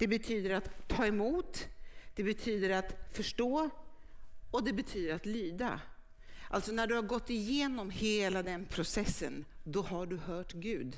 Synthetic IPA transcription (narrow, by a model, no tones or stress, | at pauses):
d̪̥ɛbɛt̪ʰyːd̪əɾat̪ʰːɑːɛmuːt̪d̪̥ɛbɛt̪ʰyːd̪əɾat̪fœʂʈoː | ɔd̪ɛbɛt̪ʰyːd̪əɾat̪lyːd̪a̰ | ʔa̰lt̪sɔnæɖɵhaɾɡɔt̪ːɪjeːnɔmheːlad̪ɛnpʰɾʊsɛsːə̰nd̪ɔhaɖɵhœːʈɡʉ̟ːd̪